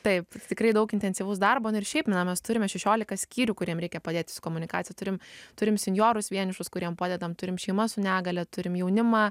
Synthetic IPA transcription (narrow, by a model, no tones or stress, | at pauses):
t̪ɐɪpt̪ʲɪkɾɐɪd̪ɐʊkɪnʲt̪ʲɛnʲsʲiʋʊsd̪ɐrbonʊɪrʃʲɛɪpmʲɪnɐmʲɛst̪ʊɾʲɪmʲɛʃʲɛʃʲoːlʲɪkɐsʲkʲiːɾʲuːkʊɾʲiɛmɾʲɛɪkʲɛpɐd̪ʲeːt̪ʲɪ̥sʊ̥koːmʊnʲɪkɑːt͡sʲɪjɛt̪ʊɾʲɪmt̪ʊɾʲɪmsʲɪnʲjoːɾʊsʋʲiɛnʲɪʃʊskʊɾʲiɛmpɐːd̪ʲɛd̪ɐmt̪ʊɾʲɪmʃʲɛɪmɐsʊnʲæːɡɐlʲɛt̪ʊɾʲɪmjɛʊnʲɪmɑ